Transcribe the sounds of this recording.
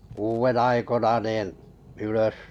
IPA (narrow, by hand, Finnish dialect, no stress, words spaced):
kuːʋen ɑikonɑ nin̞ yløs